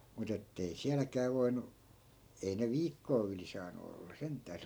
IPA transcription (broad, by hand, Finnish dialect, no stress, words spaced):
mut etːei siælækæː ʋoinu ei ne ʋiːkːoː yli sɑːnu olːɑ sentˑæː se